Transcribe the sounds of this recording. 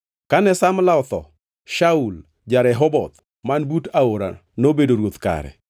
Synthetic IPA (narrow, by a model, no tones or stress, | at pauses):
kanɛsamlaɔt̪ɔ̰ | ʃaul | d͡ʒaɾɛɦɔbɔt̪ | manbutaoɾa̰nobedoɾwot̪ka̰ɾɛ̰